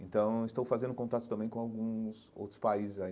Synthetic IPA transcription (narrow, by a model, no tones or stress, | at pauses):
ẽnt̪ɐ̃w̃ɪst̪owfazẽnd̪ʊkõnt̪at̪ʊt̪ɐ̃mbẽj̃kõawɡũs | o̰wt̪ɾʊ̥spaizɪza